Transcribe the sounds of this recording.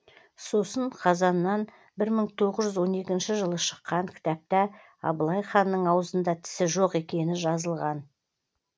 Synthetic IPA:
so̞səɴqʰɑzɑnːɑn | bɪɾməŋt̪ʰo̞ʁəʒʒʏzwo̞ne̞kʲɪnʃɪʒəlˠəʃə̥qːɑŋkʲʰɪ̥t̪æp̚t̪æ | ɑ̰bəlˠɑjχɑnːəɴɑwəzənd̪ɑt̪ʰɪ̥sɪʒoqe̞kʲe̞nɪʒɑzəlˠʁɑn

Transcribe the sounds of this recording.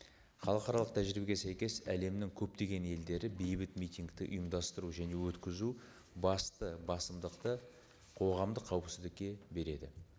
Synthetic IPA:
χɑlˠəqɑɾɑlˠəq̚t̪ʰæʒɾibeɡʲe̞sæjkʲe̞sæle̞mnɪŋkʲʰɵp̚t̪e̞ɡʲe̞ne̞ld̪e̞ɾɪbejbɪt̪mijt̪ijŋɡt̪ɪʔʊ̰jəmd̪ɑst̪əɾuʒæne̞wɵt̪kʲɪzu | bɑst̪əbɑsəmd̪əqt̪ə | qʰo̞ʁɑmd̪əqʰːɑwəpsɪzd̪ɪkʲːe̞be̞ɾe̞d̪ɪ̰

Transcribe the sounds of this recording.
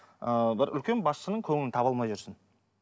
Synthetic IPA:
əbɪɾʔʏ̰lkʲe̞nbɑsənəɴkʲʰɵŋɪnt̪ʰɑbɑlˠmɑjʒʊɾsɪn

